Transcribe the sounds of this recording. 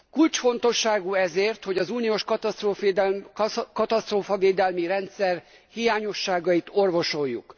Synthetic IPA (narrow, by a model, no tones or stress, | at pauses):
kult͡ʃfo̞nt̪o̞ʃːaːɡuɛzeːrt̪ho̞ɟɒzuːnijoʃkɒt̪t̪ro | kɒt̪ɒst̪roːfɒveːd̪ɛlmiɾɛnt̪sɛr | hijaːɲo̞ʃːaːɡɒjit̪o̞rvo̞ʃo̞jːṵk